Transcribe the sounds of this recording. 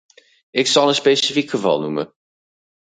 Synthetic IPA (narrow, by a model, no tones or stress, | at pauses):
ɪksɑlˠənspejsifikχəvɑ̰lˠnumə̰